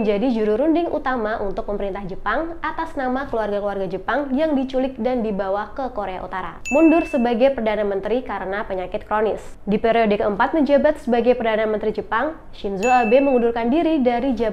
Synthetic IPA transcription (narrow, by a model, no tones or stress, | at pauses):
ɲd͡ʒadid͡ʒuɾuɾundɪŋʔṵt̪amaʔṵnt̪ʊk̚pəməɾint̪ahd͡ʒəpaŋat̪asnamakəluarɡakəluarɡad͡ʒəpaŋjaŋdit͡ʃulɪk̪̚dandibawahkəkoɾea̰ʔṵt̪aɾa̰mundʊrsəbaɡajpərdanamənt̪ɾikaɾənapəɲakɪt̪̚kɾonɪsdipeɾiodekəəmpat̪̚məɲd͡ʒabat̪̚səbaɡajpərdanamənt̪ɾid͡ʒəpaŋ | ʃinzoabeməŋundʊrkandiɾidaɾid͡ʒa